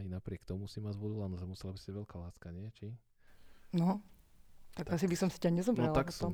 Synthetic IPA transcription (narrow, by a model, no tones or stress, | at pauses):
ajnapɾɪɛkt̪ɔmusimad͡ʑʋɔd̪ulanɔʒɛmusɛlabisaɟʋɛlkalaːskaɲɪɛt͡ʃi | nɔ | t̪aɡasibisɔmsi̥caɲɛzɔmɾɛlak̪ɔɔm